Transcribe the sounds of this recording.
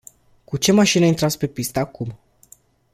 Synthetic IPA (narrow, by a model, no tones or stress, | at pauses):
kut͡ʃe̞maʃinəint̪ɾat̪spe̞pist̪əakum